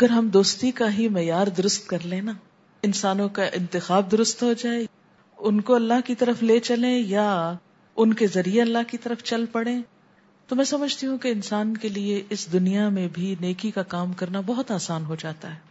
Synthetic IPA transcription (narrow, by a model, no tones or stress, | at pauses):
ɐɡəɾɦɐmd̪oːst̪ikaɦimɛjaːɾd̪ʊɾʊst̪̚kɐɾlẽna | ɪnsaːnõkaʔɪ̃nt̪ɪxaːb̚d̪ʊɾʊst̪ɦod͡ʒaːe | ʊnkoɐlːaɦkit̪ɐɾəfleːt͡ʃɐlẽja | ʊnkezɐɾieɐlːaɦkit̪ɐɾəft͡ʃɐlpɐɽẽ | t̪omɛ̃ːsɐməd͡ʒʱt̪iɦũkeɪnsaːnkelieʔɪsd̪ʊnijamẽbʱineːkikakaːmkɐɾnabɐɦʊt̪aːsaːnɦod͡ʒaːt̪aɦɛː